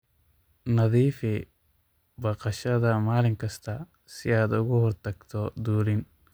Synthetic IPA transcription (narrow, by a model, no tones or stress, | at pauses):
nɐðiːfɛ | bɐqɐʃɐd̪ɐmaːlɪŋkɐst̪ɐ | sɪaːd̪ʊɣɔhɔɾt̪ɐkt̪ʰɔd̪uːɾɪn